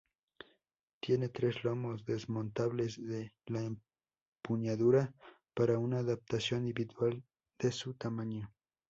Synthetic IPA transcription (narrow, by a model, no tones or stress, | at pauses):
t̪je̞ne̞t̪ɾe̞slomosd̪e̞zmont̪aβlezðelaem | puɲaðuɾa | paɾaunaːðap̚t̪asjond̪ibidwal | d̪̥e̞sut̪amaɲo